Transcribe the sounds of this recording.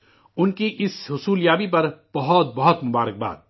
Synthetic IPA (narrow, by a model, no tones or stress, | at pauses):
ʊnkiʔɪsɦʊsuːljaːbipɐɾb̥ɐɦɔt̪̚bɐɦʊt̪mʊbaːɾək̚ba̰ːd̪̚